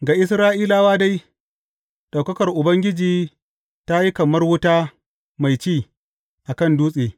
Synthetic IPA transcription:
ɡaː˨ʔɪ˦sɾaː˦ʔiː˦laː˦waː˦da˦j | ɗa˨kɐ˦kɐ˨rʔʊ˨bɐ˦ŋɡʲɪ˦d͡ʒiː˨ | ta˦ji˦kɐ˨mɐ˦rwʊ˦taː˦ | ma˨jt͡ʃiː˦˨ | ʔa˨kɐ˦˨nduː˦sʼeː˨

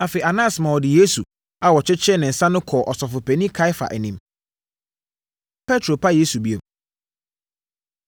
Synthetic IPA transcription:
a˨fe˨i˨a˨nã˦˨smã˨wɔ˨dɪ˨je˦su˨ | a˨wɔ˨t͡ɕʰɪ˦t͡ɕʰɪ˦ɛ˦nɪ̃˨n̩˨sã˦nʊ̃˦kʰɔ˨ʔɔ˨sɔ˨fʊ˨pʰɛ˨nĩ˦kʰa˦ɪ˦fa̰˨ʔɛ˨nĩ˦m | pʰɛ˦tʰɾo˨pʰa˦je˦su˨bi˦e˨

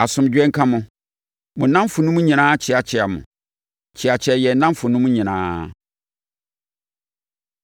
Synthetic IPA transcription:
a˨sʊ̃˨md͡ʑᶣɛ˦ŋ̩˦kʰã˦mʊ̃˨ | mʊ̃˨nã˦m˦fʊ˨nũ˦m˦ɲĩ˨nãː˦t͡ɕʰɪ˨˦a˨t͡ɕʰɛ˦a˨mʊ̰̃˨ | t͡ɕʰɪ˨a˨t͡ɕʰɛ˨jɛ˨˦nã˦mfʊ˨nũ˦m̃˦ɲĩ˨nã̰ː˦

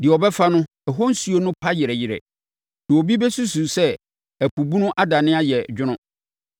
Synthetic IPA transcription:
dɪ˨ɔ˨bɛ˦fa˦nʊ̃˦ | ɛ˨ɦɔ̃˦n̩˦su˨o˦nʊ̃˦pʰa˦jɪ˨ɾɛ˨jɪ˨ɾɛ̰˨ | nɪ˨o˨bi˦bɛ˦su˦su˨sɛ˦ | æ˨ku˨bu˦nʊ̃˦ʔa˦da˨nɪ̃˦a˦jɛ˨d͡ʑᶣʊ˦nʊ̃˦

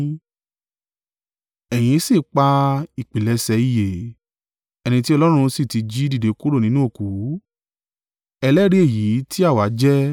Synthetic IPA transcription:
ɛ˨j̃ĩ˧˦si˦˨k͡pa˧i˨k͡pi˨lɛ˧sɛ˧˦i˧˨je˨ | ɛ˧nĩ˧ti˦ɔ˧lɔ˦ɾ̃ũ˧si˦˨ti˨˧d͡ʒi˦di˦˨de˨˦ku˦ɾo˦˨nĩ˨˦nũ˦o˦˨ku˨˦ | ɛ˧lɛ˦ɾi˦e˦˨ji˨˦ti˦a˦˨wa˨˦d͡ʒɛ˦

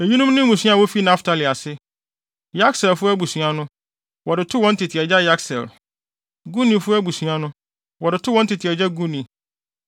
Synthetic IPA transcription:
e˨ji˦nʊ̃˦mnɪ̃˦mũ˨sũ˦a˨wo˦fi˦nã˦ftʰa˨li˨a˨sɪ˦ | ja˦ksɛ˨lfʊ˦æ˦bu˨su˨a˦nʊ̃˦ | wɔ˨dɪ˨tʰʊ˦wɔ̃˦n̩˦tʰɪ˨tʰɪ˨ɛ˨d͡ʑa˦ja˦ksɛ̰˨l | ɡu˦nĩ˨fʊ˦æ˦bu˨su˨a˨nʊ̃˦ | wɔ˨dɪ˨tʰʊ˦wɔ̃˨˦n̩˦tʰɪ˨tʰɪ˨ɛ˨d͡ʑa˦ɡu˦nĩ˨

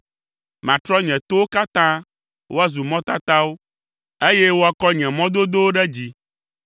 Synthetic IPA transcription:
mã˨t̪ɾɔ˦ɲɛ̃˨t̪o˦wo˦ka˦t̪ã˦ | wo˦a˦zu˨mɔ̃˦t̪a˦t̪a˦wo˦ | e˦jɛ˦wo˦a˦kɔ˦ɲɛ̃˨mɔ̃˦d̪o˦d̪o˦wo˦ɖɛ˦d͡ʑi˦

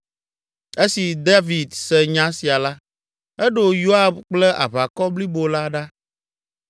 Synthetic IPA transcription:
e˦si˨d̪a˦vi˨d̪sɛ˨ɲã˦si˨a˨la˦ | ɛ˦ɖo˦˨jo˦a˨bk͡plɛ˦ʔa̰˨βa˨kɔ˦bli˦bo˨la˦ɖa˦

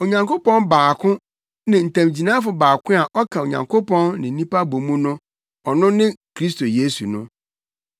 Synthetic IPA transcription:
o˨ɲã˨ŋko˦pɔ̃˦nbaː˨kʰʊ̃˦ | nɪ̃˨n̩˨tʰã˨md͡ʑi˨nã˦fʊ˨baː˨kʰʊ̃˦a˨ʔɔ˦kʰã˨o˨ɲã̰˨ŋkʰo˦pʰɔ̃˦nːɪ̃˨n̩˦nĩ˦pa˦bõ˨mũ˦nʊ̃˦ | ɔ˨nʊ̃˦nɪ̃˦kʰɾi˦s̬to˨je˦su˨nʊ̃˦

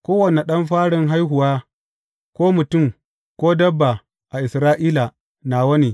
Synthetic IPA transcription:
kʷoː˦wɐ˨ne˨ɗɐ˦mɸaː˦ɽɪ˦ŋɦa˦jɦʊ˨waː˦ | kʷoː˦mʊ˨tʊ˦˨m | kʷoː˦dɐ˦bːa˨ | ʔa˨ʔɪ˨sɾaː˦ʔiː˦la˨ | na˨wɐ˦ne˨

